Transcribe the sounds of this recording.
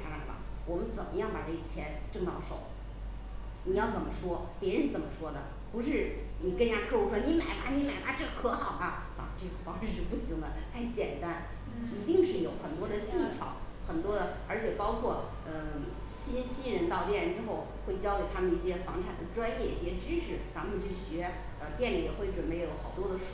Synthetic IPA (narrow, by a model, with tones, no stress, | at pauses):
a˧˥la̰˨˩fɑ̰˧˩wɔ˨˩mə˦nt͡sə˨˩nmʔə˦jɑ˥˩ŋpa̰˨˩ʈ͡ʂɤ˥˩ɡə˩t͡ɕʰjɛ˧˥nʈ͡ʂɤ˥˧ŋt̪ɑ˥˩ʊʂo̰˨˩˦ʊ | ni˨˩jɑ˥˩t͡sə˨˩nmə˦ʂwɔ˥pjɻnʂɻ̩˥˩t͡sə˨˩mə˦ʂwɔ˥d̪ə̰˨ | pu˧˥ʂɻ̩˥˩ni˨˩kə˥n˧˩ja˥ɤ˥˩ʂu˥ʂwɔ˥ni˧˥ma˨˩ɪba˧˥ni˧˥ma˨˩ɪba˧˥ʈ͡ʂɤ˥˩ɡə˩kʰɤ˧˥xɑ˨˩ʊba˧ | a̰˨˩ʈ͡ʂɤ˥˩ɡə˩fɑ˥ŋʂɻ̩˥˧pu˥˩ɕi˧˥ŋd̪ə˧t̪ʰa˥˩ɪt͡ɕjɛ˨˩nt̪a˥n | i˧˥t̪i˥˧ŋʂɻ̩˥˩jo˨˧˥ʊxə˨˩nt̪wɔ˥d̪ə˨t͡ɕi˥˩t͡ɕʰjɑ̰˨˩˦ʊ | xə˨˩nt̪wɔ˥d̪ə˨ə˞˧˥t͡ɕʰjɛ˨˩pɑ˥ʊkʰwɔ˥˩ | ə˧ | ɕi˥nɕi˥nɻə˧˥nt̪ɑ˥˧ʊt̪jɛ˥˧ʈ͡ʂɻ̩˥xo˥˧ʊxwe˥˩ɪt͡ɕjɑ˥ʊke˨˩ɪt̪ʰa˥mə˨ni˥˩ɕjɛ˥fɑ˧˥ŋʈ͡ʂʰa˨˩d̪ə˦ʈ͡ʂwa˥njɛ˥˩i˥˩ɕjɛ˥ʈ͡ʂɻ̩˥ʂʰɻ̩˧˥ɻa˧˥xt͡ɕʰy˥˩ɕɥɛ˧˥ | ə˧t̪jɛ˥˩nli˨˩jɛ˨˩xwe˥˩ɪʈ͡ʂwə˨˩npe˥˩ɪjo˧˥ʊxɑ˨˩ʊt̪wɔ˥d̪ə˨˥